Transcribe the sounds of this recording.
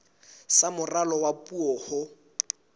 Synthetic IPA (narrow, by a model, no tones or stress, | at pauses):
samʊralɔwapʼuɔːhʊ